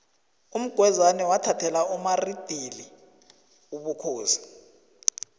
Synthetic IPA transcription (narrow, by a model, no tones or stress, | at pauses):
um̩ɡ̥ʱwɛzanɛwatʰatʰɛlaumarid̥ʱili | uɓukʰuːzḁ